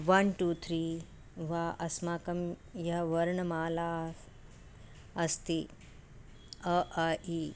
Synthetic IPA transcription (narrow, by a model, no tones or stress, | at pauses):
ʋɐnʈuːt̪ʰɾiː | ʋaːʔɐsmaːkɐmjɐɦɐʋɐɾɳɐmaːlaː | ɐst̪i | ɐʔai